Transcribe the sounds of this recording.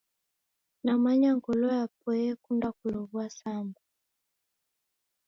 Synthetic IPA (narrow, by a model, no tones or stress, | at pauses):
namaɲaŋɡɔlɔjap̚ɔɛkundakulɔβwasambu